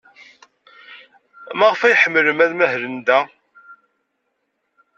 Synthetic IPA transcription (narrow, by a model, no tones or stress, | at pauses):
mæʁfæjħəmːələmæðmæɦɾənd̪æ